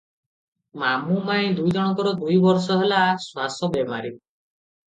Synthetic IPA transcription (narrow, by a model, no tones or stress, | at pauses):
mamumãẽd̪ujd͡ʒɔɽ̃ɔŋkɔɾɔd̪ujbɔɾsɔɦelaswasɔbemaɾi